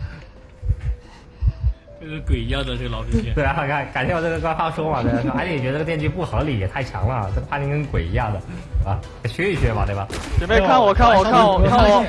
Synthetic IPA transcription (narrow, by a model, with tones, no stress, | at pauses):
ə˥˩ɡə˧˥kwe˨˩ɪ˧˥jɑ˥˩d̪ə˩ʈ͡ʂɤ˥˩ɡə˩lɑ˨˧˥ʊʂi˥ɛt̪we˥˩ɪ˧a˧˥˧kʰa˥˩nka˨˩nt͡ɕɛ˧˥jʈ͡ʂɤ˥˩ɡə˩kwa˥nfɑ˥ʂwɔ˥ma˨t̪we˥˩˥i˥˨˩ɛ˧˥ə˧ʈ͡ʂ̪jɛ˥˧nt͡ɕy˥˧˥pu˥˩xɤ˧˥li˨˩jɛ˨˩t̪ʰa˥˩ɪt͡ɕʰjɑ̰˧˥ŋlə˧a̰˥˩ʈ͡ʂɤ˥˩ɡə˩a˥t̪i˥ŋkʰə˧˥nkwe˨˩ɪi˧˥jɑ˥˩ŋd̪ə˩t̪bɐ˨˩˥ɕɥɛ˥i˥˩ɕɥɛ˧˥mɐ̰˨t̪we˥˩ɐ˨˩ɛ˨˩me˥˩ɪa˥˩nwɔ˨˩kʰa˥˩nwɔ˨˩a˥˩nwɔ˨˩a˥n˩ɔ˨˩˦